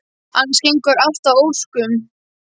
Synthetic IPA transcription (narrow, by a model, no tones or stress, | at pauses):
hanːsheŋkaɾal̥t̪avowskʏm